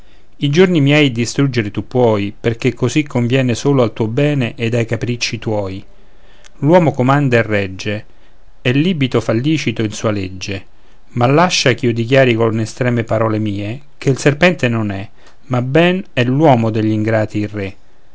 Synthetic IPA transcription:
id͡ʒornimjɛjd̪ist̪ɾud͡ʒːeɾet̪upːwɔːjperk̟ekʰːozikʰːoɱvjɛːnesoːloalt̪uːobɛːneʔed̪ajkapɾit͡ʃːit̪wɔːj | lwɔːmokomand̪aerːɛd͡ʒːe | ɛlːiːbit̪ofalːiːt͡ʃit̪oinsuːaled͡ʒːe | malːaʃːakiːod̪ik̬jaːɾikonest̪ɾɛːmepaɾɔːlemiːe | kʰeilserpɛnt̪enonɛ | mabɛnɛlwɔːmod̪eʎːiŋɡɾaːt̪iːrːe

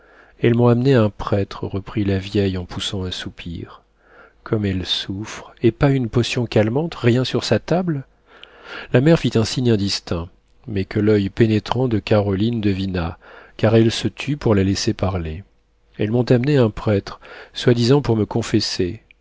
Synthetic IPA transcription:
ɛlmɔ̃amneɛ̃pχɛt̪χəʁəpχilavjɛjɑ̃pusɑ̃ɛ̃supʰiʁ | kʰɔmɛlsufχepaynpɔsjɔ̃kʲalmɑ̃t̪ʁjɛ̃syʁsat̪abl | lamɛʁfit̪ɛ̃siɲɛ̃d̪ist̪ɛ̃ | mɛkʰəlœjpenet̪χɑ̃d̪əkaʁɔlind̪əvinakaʁɛlsət̪ʰypuʁlalesepaʁle | ɛlmɔ̃t̪amneɛ̃pχɛt̪χswad̪izɑ̃puʁməkɔ̃fese

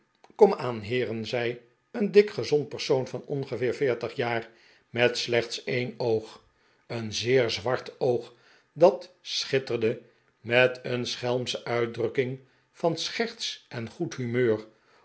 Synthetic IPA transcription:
kɔmaːnɦɪːrənzɛj | əndɪkχəzɔnt̚pəɹsownvɑnɔnχəvɪːɹvɪːɹtəχjaːr | mɛtslɛχtsejnowχ | ənzɪːɹzʋɑɹtowχ | dɑtsχɪtəɹdə | mɛtʰənsχɛlˠmsəʔœɥ̚drɵkɪŋ | v̥ɑnsχɛɹtsʔɛnχutɦymøːr

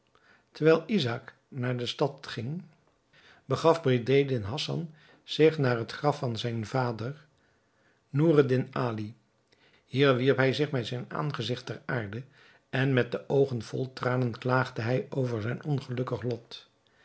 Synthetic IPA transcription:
təɹʋɛjlˠizak | naːɹdəstɑtχɪŋ | bəχɑfbridejdɪnɦɑsɑ̰n | z̥ɪχnaːɹɦətχrɑfɑnzɛjnvaːdəɹ | nuːrədɪnaːli | ɦiːɹʋiɹpɦɛjzɪχmɛtzɛjna̰ːnχəzɪχtɛɹaːɹdə | ɛnmɛt̚dəʔowχənv̥ɔ̰lˠtraːnənklaːχdəɦɛjowvəɹzɛjnɔnχəlɵkəχlɔt

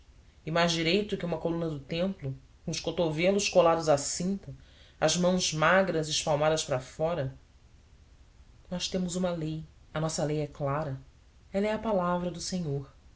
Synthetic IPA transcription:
ɪmajzd͡ʒiɾejt̪ʊkɪũmɐkolũnɐd̪ʊt̪ẽmplʊ | kũʊʃkot̪ovelʊʃkolad̪ʊzasĩnt̪ɐɐzmɐ̃w̃zmaɡɾɐzɪʃpawmad̪ɐʃpɾɐfɔɾɐ | nɔʃt̪ẽmʊzũmɐlej | ɐnɔsɐlejɛklaɾɐ | ɛlɐɛɐpalavɾɐd̪ʊsẽɲoɾ

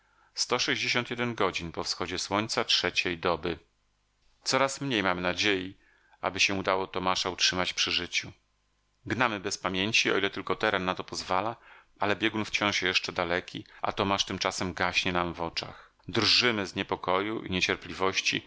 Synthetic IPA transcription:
st̪ɔʂɛʑd͡ʑeɕɔnt̪jɛd̪ɛnɡɔd͡ʑinpɔfsxɔd͡ʑɛswɔɲʲt̪satʂɛt͡ɕejd̪ɔbɘ | t̪sɔɾasmɲejmamɘnad͡ʑeji | ʔa̰bɘɕɛud̪awɔt̪ɔmaʂautʂɘmat͡ɕpʂɘʐɘt͡ɕu | ɡnamɘbɛspamʲjeɲt͡ɕiɔ̰ilɛt̪ɘlkɔt̪ɛɾɛnːat̪ɔpɔzvala | alɛbʲjɛɡunft͡ɕɔ̃ʂjɛʂt͡ʂɛd̪alɛkʲiʔa̰t̪ɔmaʂt̪ɘmt͡ʂasɛmɡaɕɲɛnamvɔt͡ʂa̰x | d̪rʐɘmɘzɲɛpɔkɔjuʔḭɲet͡ɕɛɾplʲivɔɕt͡ɕḭ

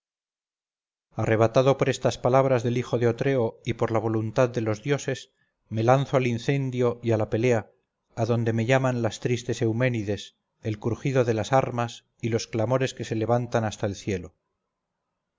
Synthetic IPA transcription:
are̞β̞at̪aðo̞po̞ɾe̞st̪aspalaβɾazðe̞lixo̞ðeo̞t̪ɾe̞o̞ipo̞ɾlaβ̞o̞lunt̪aðd̪e̞lo̞zðjo̞se̞s | me̞lanθoalinθe̞nd̪jo̞ʔialape̞leaː | ðo̞nd̪e̞me̞ʝamanlast̪ɾist̪e̞se̞wme̞niðe̞s | e̞lkuɾxiðo̞ðe̞lasaɾmas | ilo̞sklamo̞ɾe̞ske̞se̞le̞βant̪anast̪aelθje̞lo̞

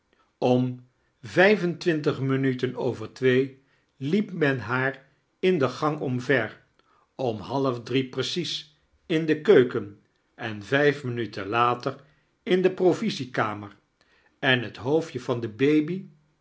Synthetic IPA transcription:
ɔm | vɛjvəntʋɪntəχmənytənowvəɹtʋej | lipmɛnɦaːr | ɪndəχɑŋɔmvɛɹ | ɔmɦɑləvdriprəsis | ɪndəkøɥkən | ɛnvɛjfmənytənlaːtər | ɪndəprovizikaːməɹ | ɛnɦətɦowfjəvɑndəbejbi

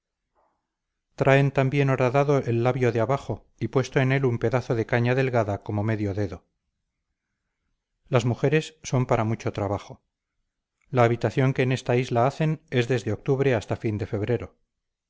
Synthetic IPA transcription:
t̪ɾʔae̞nt̪ambje̞no̞ɾaðaðo̞e̞lːaβjo̞ðeaβaχo̞ | ipwe̞st̪oene̞lumpe̞ðaθo̞ðe̞kaɲaðe̞lɣaðako̞mo̞me̞ðjo̞ðe̞ðo̞ | lazmuxe̞ɾe̞sːo̞mpaɾamut͡ʃo̞t̪ɾaβaχo̞ | laːβit̪aθjo̞ŋke̞ːne̞st̪aizlaaθe̞ne̞zðe̞zðeo̞k̚t̪uβɾe̞ast̪afind̪e̞fe̞βɾe̞ɾo̞

